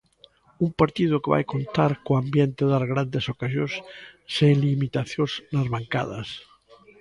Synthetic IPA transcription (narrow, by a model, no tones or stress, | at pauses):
umpaɾt̪ið̞ʊkeβa̰jkont̪aɾkoambjent̪eðaɾɣɾand̪esokasjosseŋlimit̪aθjoznazβaŋka̰ð̞a̰s